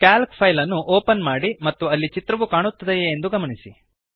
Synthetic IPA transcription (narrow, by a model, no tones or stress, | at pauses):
kaːlkpʰɐjlɐnːuʔoːpɐnmaːɽimɐt̪ːuɐlːit͡ʃit̪ɾɐʋukaːɳut̪ːɐd̪eend̪uɡɐmɐɳisi